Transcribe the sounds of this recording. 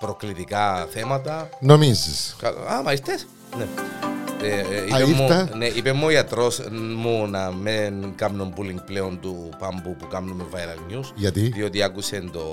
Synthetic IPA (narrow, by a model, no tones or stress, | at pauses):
pɾoklit̪ikaθemɐt̪ɐnomiziskɐl̰amɐist̪es | ne | eieimːut̪ɐneʔipemːuoiɐt̪ɾosmunɐmenkamnombuliŋɡ̚pleond̪u | pambupukamnumevajɾɐlɲusʝɐt̪iðio̞t̪iakuse̞nd̪o̞